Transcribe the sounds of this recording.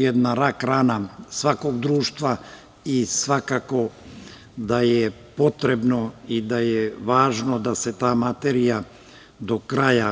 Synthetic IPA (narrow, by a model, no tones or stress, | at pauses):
jed̪naɾakɾaːnasʋakoɡd̪ɾuːʃt̪ʋa | isʋakako̞ | d̪ajepo̞t̪ɾebnoid̪ajeʋaːʒnod̪aset̪aːmat̪eɾija | d̪okɾaja